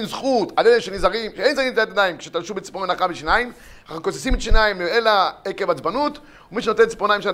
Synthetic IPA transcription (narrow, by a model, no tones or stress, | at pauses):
imzχut̪alelenʃenizaʁimʃeejnzaʁimt̪eat̪ad̪aimkʃet̪alʃubet͡si̥ponenaχabeʃinaim | akosesimet̪aʃinaimeelaekevat͡sbanut̪ | umiʃeno̞t̪ent͡si̥ponajimʃa